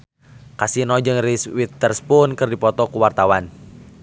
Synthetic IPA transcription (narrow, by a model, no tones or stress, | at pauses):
kasinɔd͡ʒɨŋriswit̪ːərspunkɨrdipɔt̪ɔkuwart̪awan